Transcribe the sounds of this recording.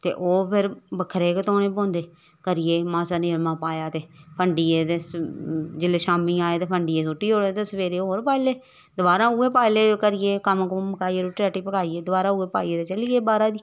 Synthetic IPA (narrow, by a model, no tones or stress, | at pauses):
t̪ḛːʔoːpʰɪɾbəkʰːɾeːket̪oːnẽːpõːnd̪eː | kəɾɪjeːmãːsaːneːlmãːpaːjaːt̪eːpʰəɳɖiːeːt̪eːsd͡ʒɪleːʃaːmĩːaːeːt̪eːpʰəɳɖɪeːs̬oːʈːiːoːet̪esəʋeːɾeːoːɾpaːleː | d̪ʊbaːɾãːueːpaːleːkəɾɪjeːkəmkoməkaːieːɾoːʈɾɛːʈiːpəkaːiːeːd̪ʊbaːɾaːueːpaːiːeːd̪eːt͡ʃəliːeːbaːɾaːd̪iː